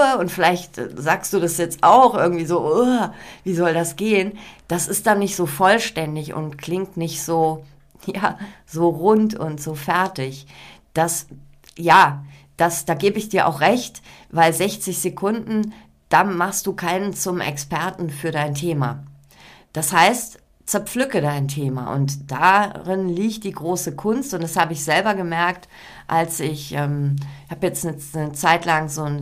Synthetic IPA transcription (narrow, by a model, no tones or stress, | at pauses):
əʊntfɪlaɪçtzaːkst̚d̥uːdasjɛt͡staʊxʔɪɐɡŋ̩tv̥iːzoːʔuviːzɔldasɡ̥eːənd̥asɪst̚d̥anːɪçtz̥oːfɔlʃtɛndɪçʊ̰ntkʰl̥ɪŋktnɪçtz̥oː | jaːz̥oːʁʊntʰʊ̰ntz̥oːfɛɐtɪçd̥as | jaːd̥asd̥aːɡeːbəɪçd̥iːɐʔa̰ʊxʁɛçtvaɪlzɛçt͡sɪçz̥ekʰʊndn̩ | d̥aːmaχst̚d̥uːkʰaɪnənt͡sʊmɛ̰kspʰɛɐtn̩fyːɐɾaɪntʰeːma̰ | d̥ashaɪst | t͡sɛɐp͡flʏkədaɪntʰeːma̰ʔʊ̰ntd̥aʁɪnliːçt̚d̥iːɡʁoːsəkʰʊnstʊntd̥ashaːbəɪçz̥ɛlbɐɡəmɛɐkt | ʔalsɪçʔɛːmhaːbjɛt͡snənət͡saɪtlaŋzoːn